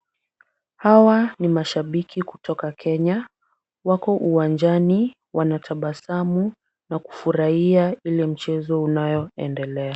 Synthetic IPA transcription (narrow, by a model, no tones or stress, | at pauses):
hawanimaʃaɓikʰiku̥tɔkakʰɛɲa | wakɔʔuwand͡ʒani | wanatʰaɓasamu | naku̥fuɾaiailɛm̩t͡ʃɛzɔunajɔɛ̰ndɛlɛa